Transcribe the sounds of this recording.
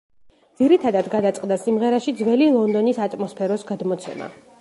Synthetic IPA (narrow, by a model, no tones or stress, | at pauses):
d̪ziɾit̪ʰad̪ad̪ɡad̪at̪sʼqʼd̪asimʁɛɾaʃid̪zvɛlilˠɔnd̪ɔnisat̪ʼmɔspʰɛɾɔsɡad̪mɔt̪sʰɛ̰ma̰